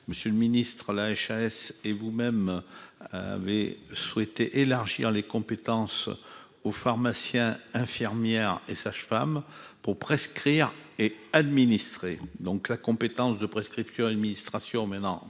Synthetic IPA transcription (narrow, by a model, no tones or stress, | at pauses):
məsjələminist̪χəlaɛʃaɛsevumɛm | a̰vḛswet̪eʔelaʁʒḭʁlekɔ̃pet̪ɑ̃s | ofaʁmasjɛ̃ɛ̃fiʁmjɛʁḛsaʃfampuʁpχeskχiʁead̪minist̪χed̪ɔ̃klakɔ̃pet̪ɑ̃sd̪əpχeskχipsjɔ̃ad̪minist̪χasjɔ̃mɛ̃nɑ̃